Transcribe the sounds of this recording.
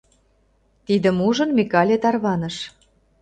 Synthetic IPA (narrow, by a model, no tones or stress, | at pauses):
t̪id̪ə̆muʒə̆nmʲikɑlʲet̪ɑrβɑnə̆ʃ